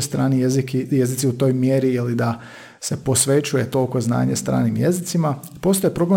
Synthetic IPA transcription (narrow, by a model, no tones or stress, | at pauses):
st̪ɾaːnizikije̞zit̪siut̪o̞ːjmjeɾielid̪a | se̞po̞sʋe̞t͡ɕuje̞t̪o̞lko̞zna̰ːɲest̪ɾa̰ːnimjezit̪sima | po̞st̪ojepɾo̞ble